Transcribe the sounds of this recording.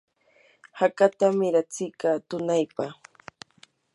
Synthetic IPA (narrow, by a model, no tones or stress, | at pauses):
hakat̪amɪɾat͡sɪkaːt̪ʊnajpaχ